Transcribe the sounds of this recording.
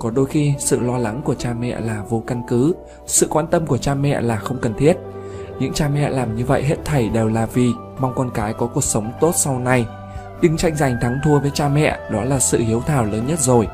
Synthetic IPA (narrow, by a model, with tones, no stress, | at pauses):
kɔ˨˦ɗo˧jxi˧sɨ̰˧˨lɔ˧la˨˦ŋku˧˩ət͡ɕaː˧mɛ̰˧˨laː˨˩vo˧ka˧nkɨ˨˦ | sɨ̰˧˨kwaː˧nt̪ə˧mku˧˩ət͡ɕaː˧mɛ̰˧˨laː˨˩xə˧wŋ͡mkə˨˩nt̪ʰi˦˥ət̚ | ɲɨ̰˧˥ŋt͡ɕaː˧mɛ̰˧˨laː˨˩mɲɨ˧və̰˧˨jɦe˦˥t̚t̪ʰə˧˩jɗe˨˩wlaː˨˩vi˨˩ | ma˧wŋ͡mkɔ˧nkaː˨˦jkɔ˨˦ku˨˩ək̚sə˨˦wŋ͡mt̪o˦˥t̚sa˧wna˧j | ɗɨ˧ŋt͡ɕa˧jŋ̟za˨˩jŋ̟t̪ʰa˨˦ŋt̪ʰu˧əvəː˨˦jt͡ɕaː˧mɛ̰˧˨ɗɔ˨˦laː˨˩sɨ̰˧˨hi˨˦əwt̪ʰaː˧˩wləː˨˦nɲə˦˥t̚zo˨˩j